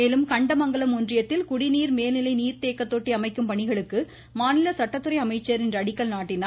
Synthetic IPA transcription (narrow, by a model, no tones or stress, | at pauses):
eːlɯmkɐɳɖɐmɐŋɡɐɭɐmʊndrɪjɐt̪ːɪlkʊɽɪniːɾmeːlnɪlɐɪniːɾt̪eːkːɐt̪ːoːʈːiɐmɐɪkːɯmpɐɳɪɣɐɭɯkːɯ | maːnɪlɐsɐʈːɐt̪ːɯɾɐɪɐmɐɪt͡ʃːɐɾɛndrɐːɽɪkːɐlnaːʈːɪn